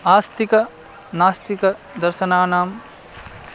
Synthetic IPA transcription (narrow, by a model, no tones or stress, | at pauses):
aːst̪ikɐ | naːst̪ikɐ | d̪ɐɾʃɐnaːnaːm